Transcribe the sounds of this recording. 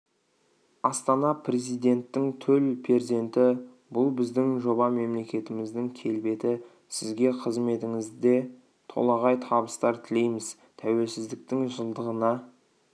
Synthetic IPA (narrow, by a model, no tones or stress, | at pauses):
ɑst̪ɑnɑpʰre̞zijd̪e̞nt̪ːɪŋt̪ʰɵlpʰe̞ɾze̞nt̪ɪ | bʊlˠbɪzd̪ɪŋʒo̞bɑme̞mle̞kʲe̞t̪ɪmɪzd̪ɪŋkʲʰe̞lbe̞t̪ɪ | sɪzɡʲe̞qʰəzme̞t̪ɪŋɪzd̪e̞ | t̪ʰo̞̰lˠɑʁɑjt̪ʰɑbəst̪ɑɾt̪ʰɪle̞jmɪz | t̪ʰæwe̞lsɪzd̪ɪk̚t̪ɪŋʒəlˠd̪əʁənɑ